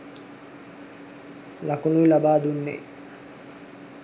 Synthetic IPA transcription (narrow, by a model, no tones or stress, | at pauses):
lakunujlabaːd̪unːḛ